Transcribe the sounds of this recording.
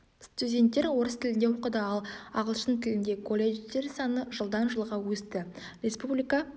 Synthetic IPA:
st̪ʲudʲe̞nt̪ːeɾwo̞ɾəst̪ʰɪlɪnd̪e̞wo̞qəd̪əɑlˠɑʁəlˠʃənt̪ʰɪlɪnd̪e̞kʰo̞lʲːet̪e̞ɾsɑnəʒəlˠd̪ɑnʒəlˠʁɑwɵst̪ɪ | ɾʲe̞spublʲijkɑ

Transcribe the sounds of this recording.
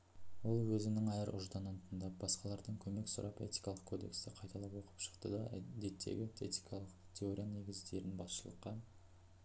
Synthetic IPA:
wo̞lˠwɵzɪnɪŋɑjəɾʔʊ̰ʒd̪ɑnənt̪ʰənd̪ɑp̚bɑsqɑlˠɑɾd̪əɴkʲʰɵme̞ksʊ̰ɾʔɑpe̞̰t̪i̥jkɑlˠəqkʰo̞d̪e̞̰kst̪ɪqʰɑjt̪ɑlˠɑpwo̞qə̥pʃə̥qt̪əd̪ɑd̪e̞t̪ʰːe̞̰ɡʲɪe̞̰t̪i̥kʰɑlˠəqt̪ʲʰe̞o̞ɾʲijane̞ɡʲɪzd̪e̞ɾɪnbɑsʃəlˠəqːɑ

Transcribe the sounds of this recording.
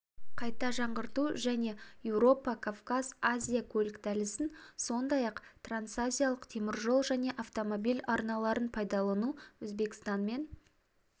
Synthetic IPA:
qʰɑjt̪ɑʒɑɴʁəɾt̪uʒæne̞jewɾo̞pɑkʰavkaz̥azʲijakʲʰɵlɪkd̪ælɪsɪnso̞nd̪ɑjɑqt̪rant̪sazʲijalˠəqt̪ʰe̞mɪɾʒo̞lˠʒæne̞ʔaft̪o̞mo̞bijlɑɾnɑlˠɑɾənpʰɑjd̪ɑlˠɑnuwɵzbe̞kst̪ɑnme̞n

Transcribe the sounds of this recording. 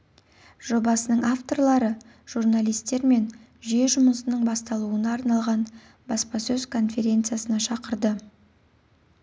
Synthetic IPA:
ʒ̥o̞bɑsənəɴaft̪o̞rɾlˠɑɾə | ʒ̥urnalˠijst̪e̞ɾme̞n | ʒije̞ʒʊməsənəɴbɑst̪ɑlˠuənɑːɾnɑlˠʁɑn | bɑspɑsɵzkʰo̞nfʲe̞ɾʲe̞nt̪sɨjasənɑʃɑqəɾd̪ə

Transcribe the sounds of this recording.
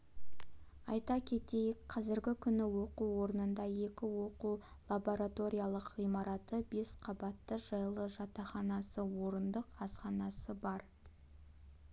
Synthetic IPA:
ɑjt̪ɑkʲʰe̞t̪e̞jɪkqʰɑzɪɾɡʲɪkʲʰʏnɪwo̞quwo̞ɾənənd̪ɑje̞kʲɪwo̞qu | lˠabo̞ɾat̪o̞ɾʲijalˠəqʁijmɑɾɑt̪əbe̞sqʰɑbɑt̪ːəʒɑjlˠəʒɑt̪ɑχɑnɑsəwo̞ɾənd̪əqɑsqɑnɑsəbɑɾ

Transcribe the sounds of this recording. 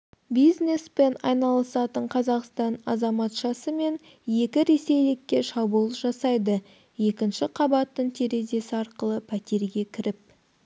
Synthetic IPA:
bijzne̞spe̞nɑ̰jnɑlˠəsɑt̪əɴqʰɑzɑqst̪ɑnɑzɑmɑt̪ʃɑsəme̞n | je̞kʲɪɾe̞se̞jlɪkʲːe̞ʃɑbulˠʒɑsɑjd̪ə | je̞kʲɪnʃɪqʰɑbɑt̪ːəɴt̪ʰe̞ɾe̞ze̞sɪɑɾqəlˠəpʰæt̪e̞ɾɡʲe̞kʲʰɪɾɪp̚

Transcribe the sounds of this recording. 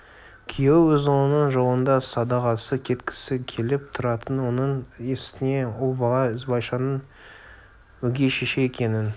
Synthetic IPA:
kʲʰijewwɵzonənəɴʒowənd̪ɑsɑd̪ɑʁɑsəkʲʰe̞t̪kʲʰɪ̥sɪkʲʰe̞lɪp̚t̪ʰʊɾɑt̪ənwo̞nəɴe̞st̪ɪne̞ʊlˠbɑlˠɑɪzbɑjʃɑnən | wɵɡʲe̞ʃe̞ʃe̞jekʲe̞nɪn

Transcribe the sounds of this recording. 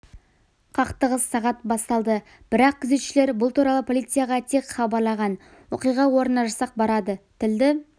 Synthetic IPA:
qʰɑqt̪əʁəzsɑʁɑt̪bɑst̪ɑlˠd̪ə | b̥ɪɾɑq̚kʲʰʏzet̪ʃɪle̞ɾbʊlˠt̪uɾɑlˠəpʰo̞lˠit̪sɨjaʁɑt̪ʰe̞kχɑbɑɾlˠɑʁɑn | woqijʁɑwo̞ɾənɑʒɑsɑq̚bɑɾɑd̪ət̪ʰɪld̪ɪ

